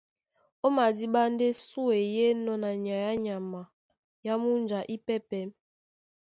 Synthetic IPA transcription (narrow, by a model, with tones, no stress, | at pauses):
o˦ma˨di˦ɓa˦n˦de˦su˦e˨je˦nɔ˦na˨ɲ˨a˨ja˦ɲa˨ma˨ | ja˦mu˦n˦d͡ʒa˨ʔi˦pɛ˦pɛ˨˦m